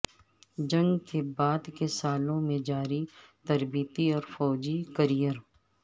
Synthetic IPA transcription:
d͡ʒɐ̃ŋɡkebaːd̪kesaːlõmẽd͡ʒaːɾit̪ɐɾbiːt̪iɔːɾfɔːd͡ʒikəɾijəɾ

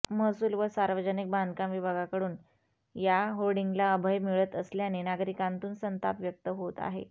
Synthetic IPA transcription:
məɦsuːlʋəsaɾʋəd͡ʑənik̚bʱand̪kãmʋibʱaɡakəɽuːn | jaɦoɾɖiŋɡlaəbʱəjmiɭət̪əsljanenaɡɾikãnt̪uːnsənt̪a̰pʋjək̚t̪əɦot̪a̰ɦḛ

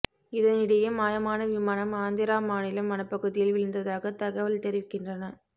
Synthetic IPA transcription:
ɪðɐnɪɽɐjɐmaːjɐmaːnɐʋɪmaːnɐmaːnd̪ɪɾaːmaːnɪlɐmɐnɐpːɐɣɯðɪjɪlʋɪlɯnd̪ɐðaːɣɐt̪ɐɣɐʋɐlt̪ɛɾɪʋɪkːɪndrɐnɐ

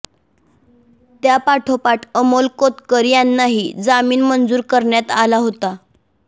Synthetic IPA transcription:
t̪japaʈʰopaʈʰəmolkot̪kəɾjanːaɦid͡zamiːnmənd͡zuːɾkəɾɳjat̪alaɦot̪a

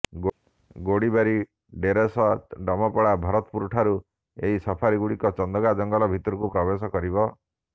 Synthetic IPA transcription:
ɡoɽibaɾi | ɖeɾesɔɖɔmɔpɔɭabʱaɾɔt̪ɔpuɾuʈʰaɾu | eɦisɔpʰaɾiɡuɽikɔt͡ʃɔnd̪ɔɡad͡ʒɔŋɡɔlɔbʱit̪ɔɾukupɾɔbesɔkɔɾibɔ

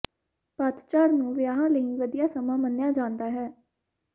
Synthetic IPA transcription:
paːt̪t͡ʃaːɾnũːʋɪjaːɦãːləiːʋəd̪ijaːsəmãːmənjaːd͡ʒãːnd̪aːɦɛː

